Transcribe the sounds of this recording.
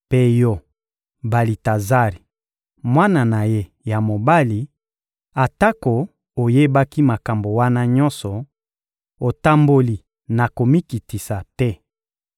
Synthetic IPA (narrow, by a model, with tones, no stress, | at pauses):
pe˦jɔ˦ | ba˨li˨ta˨za˦ʁi˨ | mwa˦na˨na˨je˦ | ja˨mo˨ba˦li˨ | a˨ta˦ko˨ | o˨je˦ba˦ki˦ma˨ka˨mbo˨wa˦na˦ɲɔ̃˦nsɔ˨ | o˨ta˦mbo˦li˨ | na˨ko˨mi˦ki˨ti˨sa˨tɛ˦